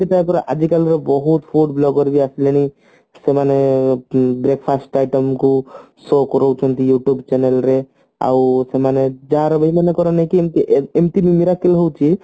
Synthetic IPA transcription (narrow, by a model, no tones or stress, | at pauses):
it̪apɔɾeʔad͡ʒikalɾɔbɔɦut̪pʰuɖblɔɡɔɾbiasileni | semane | bɾek̚ʰpʰasʈajʈɔmku | sɔkɔɾowt͡ʃʰɔnt̪ijuʈjubt͡ʃɛnelɾe | a̰wsemaned͡ʒaɾɔbəimanekɔɾɔnakimt̪iʔemʈimimiɾakelɦɔwt͡ʃʰi